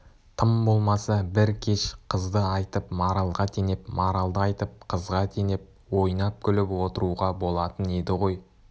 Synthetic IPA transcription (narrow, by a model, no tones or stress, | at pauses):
t̪ʰəmbo̞lˠmɑsɑbɪɾkʲʰeʃqʰəzd̪əɑjt̪əpmɑɾɑlˠʁɑt̪ʰe̞ne̞pmɑɾɑlˠd̪əɑjt̪əp̚qʰəzʁɑt̪ʰe̞ne̞p̚ | wo̞jnɑp̚kʲʰʏlɪpwo̞t̪əɾuʁɑbo̞lˠɑt̪əne̞d̪ɪʁo̞j